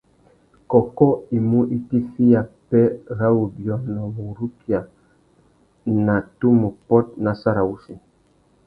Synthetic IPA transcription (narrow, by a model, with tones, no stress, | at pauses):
kɔ˨kɔ˦i˨mu˦ʔi˦ti˦fi˦ja˨pɛ˦ɣa˦wu˨bjɔ˦na˨mu˨ɾu˦kja˨ | na˨tu˦mu˨pɔ˦t̚na˨sa˦ɾa˨u˦si˨